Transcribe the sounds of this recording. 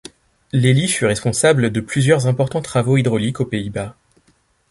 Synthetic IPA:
lelifyʁɛspɔ̃sabld̪əplyzjœʁzɛ̃pɔʁt̪ɑ̃t̪χavoid̪ʁɔlikopeiba

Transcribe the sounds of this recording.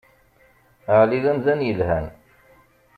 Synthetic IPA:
əʕliðæmðænjəlhæn

